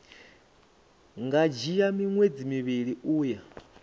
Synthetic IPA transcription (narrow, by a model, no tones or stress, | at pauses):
ŋɡad͡ʒijamiŋwed͡zimiβiɺiuːja